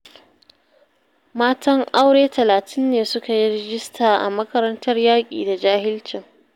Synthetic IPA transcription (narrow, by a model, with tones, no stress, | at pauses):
maː˦tɐ˦ŋʔa˦wɽeː˦tɐ˨laː˨tʰɪ˦nːeː˨sʊ˦ka˨ji˦ɾɛ˦ɡɪ˦stʰaː˨ʔa̰˨mɐ˦kɐ˦ɾɐ˦ntɐ˦rjaː˦kʲʼḭː˨da˨d͡ʒaː˦hɪ˦lt͡ʃɪ˨ŋ